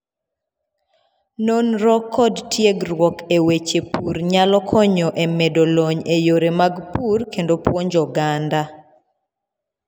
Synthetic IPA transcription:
nonɾɔkʰːɔdtjeɡɾwɔkewet͡ʃepuɾɲalɔkʰɔɲɔʔemedoloɲejoɾemaɡpurkendopwɔnd͡ʒɔɡanda

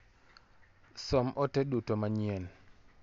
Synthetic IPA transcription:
sɔmʔɔtedutomaɲien

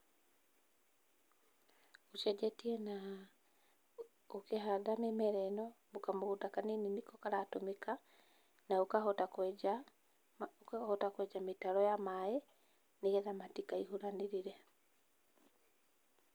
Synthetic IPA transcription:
uʃɛd͡ʒetiɛna | ukeɦadamemɛɾɛnɔ | bukamuɣutakanininikokaɾatomika | naukahotaka | ahotakwɛd͡ʒamitaɾɔjamae | niɣɛðamatikaihuɾaniɾiɾɛ

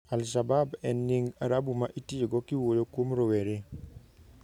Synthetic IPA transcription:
alʃababɛnːɪŋaɾabumaʔitieɡɔkiwojokwomɾoweɾe

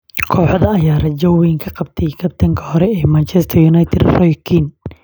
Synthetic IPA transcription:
kʰɔːħɔðɐːjaːrɐd͡ʒɐwwɛŋkʰɐqɑb̚t̪ʰɛjkʰɐb̚t̪ʰɐŋkʰɐ̥hɔɾɛɛːmant͡ʃʰɛst̪ʰɐjunajt̪ʰɛd̪rɔjkʰin

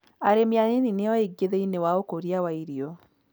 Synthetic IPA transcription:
aɾemjanenineɔiɡeðeinewaokoɾiawaiɾiɔ

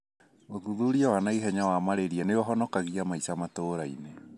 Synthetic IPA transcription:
oðuðuɾiawanaiɦɛɲawamaɾeɾiɛneɔɦɔnɔkaɣiamaisamatoːɾaḭne

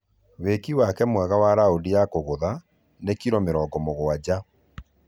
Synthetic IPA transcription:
wekiwakɛmwɛɣawaɾaodijakoɣoða | nekiɾɔmeɾɔːɡɔmoɣoad͡ʑa

